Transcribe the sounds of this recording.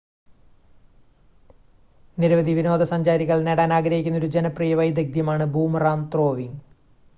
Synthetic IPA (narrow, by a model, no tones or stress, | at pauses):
niɾɐʋɐd̪ʱiʋinoːd̪ɐsɐɲd͡ʑaːɾiɣɐɭneɽaːnaːɡɾɐɦikʲːunːɐoɾud͡ʑenɐprijɐʋɐjd̪ɐɡ̚d̪jɐmaːɳɨbʱuːmraːnt̪ro̞ːʋiŋ